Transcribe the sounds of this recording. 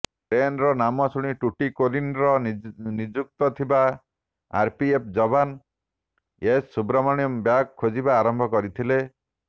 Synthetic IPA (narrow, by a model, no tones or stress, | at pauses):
ɾenɾɔnamɔsuɽ̃iʈuʈikolinɾɔnid͡ʒuk̚t̪ɔt̪ʰibaː | ɾpiep̚ʰd͡ʒɔban | esːubɾɔmɔɽ̃ijɔmbjakkʰːod͡ʒibaːɾɔmbʱɔkɔɾit̪ʰile